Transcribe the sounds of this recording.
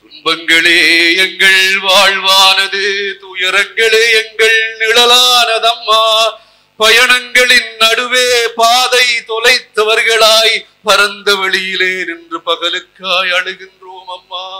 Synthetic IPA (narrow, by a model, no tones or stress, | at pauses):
t̪ʊmbɐŋɡɐɭeːɛŋɡɐɭʋaːɭʋaːnɐðɯt̪uːjɐɾɐŋɡɐɭeːɛŋɡɐɭnɪɭɐlaːnɐðɐmːaː | pɐjɐɳɐŋɡɐɭɪnnɐɽɯʋeːpaːðɐɪt̪ɔlɐɪt̪ːɐʋɐɾɣɐɭaːj | pɐɾɐnd̪ɐʋɛɭɪjɪleːnɪndrɯpɐɣɐlɯkːaːjɐɽɯɣɪndroːmɐmːaː